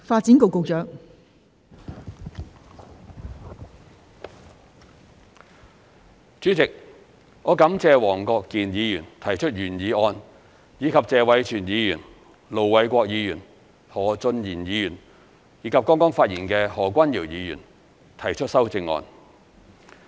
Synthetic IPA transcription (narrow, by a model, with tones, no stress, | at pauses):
faː˧t̚t͡si˨˥nko˨˧wko˨˧wt͡ʃœː˨˥ŋ̚ | t͡ʃyː˨˥t͡sɪ˨k̚ | ŋɔː˨˧kɐ˨˥mt͡sɛː˧wɔː˨˩ŋkɔː˧kːiː˨njiː˨˧jyː˨˩nt̪ʰɐ˨˩jt͡ʃʰɵ˥t̚jyː˨˩njiː˨˥ɔː˧n | jiː˨˧kʰɐ˨p̚t͡sɛː˧wɐ˨˥jt͡ʃʰyː˨˩njiː˨˧jyː˨˩n | lo˨wwɐ˨˥jkʷɔː˧k̚jiː˨˧jyː˨˩n | hɔː˨˩t͡sɵ˧njiː˨˩njiː˨˧jyː˨˩n | jiː˨˧kʰɐ˨p̚kɔː˥ŋkɔː˥ŋfaː˧t̚jiː˨˩nkɛː˧hɔː˨˩kʷɐ˥njiː˨˩wjiː˨˧jy̰ː˨˩n | t̪ʰɐ˨˩jt͡ʃʰɵ˥t̚sɐ˥wt͡sɪ˧ŋɔ̰ː˧n